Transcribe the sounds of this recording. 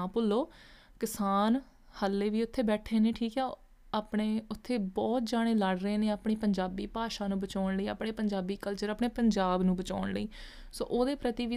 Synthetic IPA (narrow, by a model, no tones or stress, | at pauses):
ãːpʊlːoː | kɪsaːn | həlːeːʋiːʊt̪ʰːeːbɛːʈʰeːneːʈʰiːkɛː | aːpɳeːʊt̪ʰːeːbɔːt̪̚d͡ʒaːɽ̃eːləɽɾəeːneːaːpɳeːpəɲd͡ʒaːbiːpaːʃaːnũːbət͡ʃaːɳləiːa̰ːpɳeːpəɲd͡ʒaːbiːkəlt͡ʃəɾaːpɳeːpəɲd͡ʒaːbnũːbət͡ʃa̰ːɳləḭː | so̰ːʔoːd̪eːpɾət̪iːʋi